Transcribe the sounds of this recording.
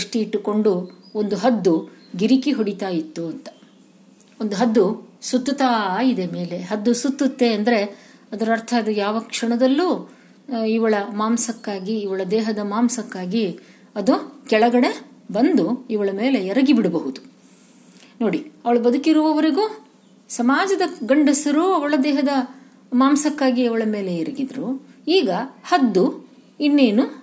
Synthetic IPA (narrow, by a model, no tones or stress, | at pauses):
ʂʈiːʈːuko̞ɳɖuond̪uɦɐd̪ːuɡiɾikiɦoɽit̪aːjit̪ːuɐnt̪ɐ̥ | ond̪uɦɐd̪ːusut̪ːut̪aːid̪eme̞ːle̞ɦɐd̪ːusut̪ːut̪ːe̞ɐnd̪ɐɾe̞ɐd̪ɐɾɐɾt̪ʰɐːd̪ujaːʋɐkʂɐɳɐd̪ɐlːuː | iʋɐɭɐmaːmsɐkːaːɡiːʋɐɭɐd̪ɛːɦɐd̪ɐmaːmsɐkːaːɡi | ɐd̪ukɛɭɐɡɐɽe̞bɐnd̪uiʋɐɭɐmeːle̞ɛɾɐɡibiɽɐbɐɦud̪u | no̞ːɽiɐʋɐɭubɐd̪ukiɾuʋɐʋɐɾiɡuː | sɐmaːd͡ʒɐd̪ɐɡɐɳɖɐsɐɾuɐʋɐɭɐd̪ɛːɦɐd̪ɐ | maːmsɐkːaːɡiɐʋɐɭɐme̞ːleɛɾɐɡid̪ɾuiːɡɐhɐd̪ːu | inːe̞ːnu